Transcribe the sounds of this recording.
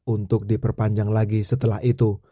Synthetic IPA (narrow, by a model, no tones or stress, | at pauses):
unt̪ʊk̚dipərpaɲd͡ʒaŋlaɡisət̪əlahit̪u